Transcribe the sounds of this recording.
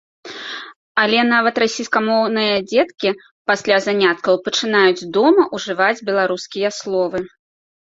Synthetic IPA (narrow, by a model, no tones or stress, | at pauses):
alʲɛn̪avɐt̪ɾasʲijskɐmɔwnɨjɐd͡zʲɛt̪kʲi | pasʲlʲazanʲat̪̚kɐwpɐt͡ʂɨnajud͡zʲd̪ɔmɐʔuʐɨvad͡zʲbʲɛlˠaɾuskʲijɐslˠɔvɨ